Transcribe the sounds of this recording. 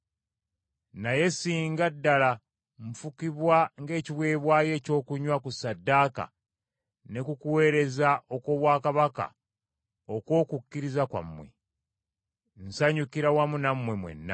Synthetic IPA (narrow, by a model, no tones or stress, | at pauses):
naje̞siːŋɡadːala | ɱ̩fukiβwaŋɡe̞ːciβwe̞ːβwaːje̞ːco̞ːkuɲwakusadːaːka̰ | ne̞kukuwe̞ːɾe̞zaʔo̞ko̞βwaːkaβaka̰ | oko̞ːkukːiɾizakwa̰mːwe̞̰ | n̩saɲukiɾawamunamwe̞mwe̞̰nːa̰